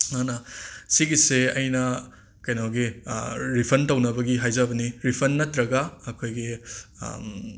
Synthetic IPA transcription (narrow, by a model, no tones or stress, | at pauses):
anɐsiɡiseɐjnɐ | kɐjnaɡiɾipʰɐntɐwnɐbɐɡiɦajzɐbɐniɾipʰɐnːɐt̪ɾɐɡɐːkʰojɡḭ